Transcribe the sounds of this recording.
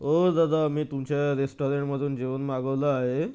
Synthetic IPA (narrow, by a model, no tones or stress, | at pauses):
ɦod̪ad̪amiːt̪umt͡ɕaɾesʈoɾeɳʈməd̪ʱuːnd͡ʑeʋənmaɡəʋlaaɦe